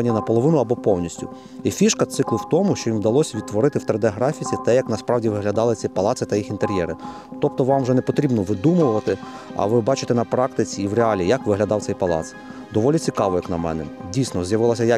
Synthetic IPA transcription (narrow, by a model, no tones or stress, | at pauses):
ɐnʲːinɐpɔlˠɔʋɪnʊɐbɔpɔwnʲisʲtʲʊ | ifʲiʃkɐt̪sɪklˠʊwt̪ɔmʊʃt͡ʃɔjimd̪ɐlˠɔsʲʋʲid̪t̪ːʋɔɾɪt̪ɪwt̪ɾɪd̪eɐɦɾɑfʲit͡sʲit̪ɛjɐknɐspɾɑwdʲiʋɪɦlʲɐd̪ɑlˠɪsʲipɐlˠɑtsɪt̪ɐjixint̪eɾʲjɛɾɪ | t̪ɔp̚t̪ɔʋɑmwʒɛnɛpɔt̪ɾʲibnɔʋɪd̪umʊʋɐt̪ɪ | ɐ̰ʋɪbɑt͡ʃɪ̥t̪ɛnɐpɾɑkt̪ɪt͡sʲiːwreɑlʲijɐkʋɪɦlʲɐd̪ɑwt̪sɛjʲpɐlˠɑ̰t̪s | d̪ɔʋɔlʲit͡sʲikɑʋɔjɐknɐmɛ̰nɛdʲijsʲnɔzʲjɐʋɪlˠɐsʲɐja